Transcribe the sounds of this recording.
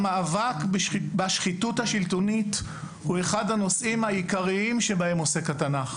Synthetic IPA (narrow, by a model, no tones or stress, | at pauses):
maːvakbbaʃχituthaʃiltonit | hue̞χadhano̞sʔimhaikaʁiimʃebahemosekatanaχ